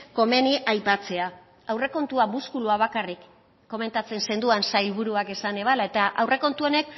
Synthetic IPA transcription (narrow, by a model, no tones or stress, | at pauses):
ko̞me̞niʔajpat͡se̞a | awre̞ko̞nt̪uamuskuluaβ̞akarikː | o̞me̞nt̪at͡sense̞nd̪uansajlβuɾuake̞sane̞β̞alaet̪aʔawre̞ko̞nt̪uo̞ne̞k